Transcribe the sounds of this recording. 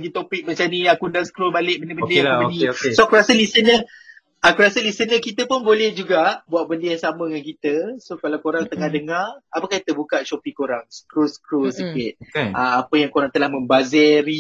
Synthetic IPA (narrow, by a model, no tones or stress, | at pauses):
ɡit̪opik̚mat͡ʃaniakundaŋsə̥kɾolbalɪʔ̚bənəbəndəaəoiokesokuɾasəlisənə | akuɾasəlisənɲəkit̪əpʊnbolɛhd͡ʒuɡaʔbuaʔ̚bəndəjaŋsamə̃əŋankit̪əsokalawkoɾaŋt̪əŋahdəŋarapakahit̪əbukaʔ̚t͡ʃopikoɾaŋsə̥kɾosə̥kɾosəkɪt̪̚amapəjaŋkoɾaŋt̪əlahmə̃mbazɛɾi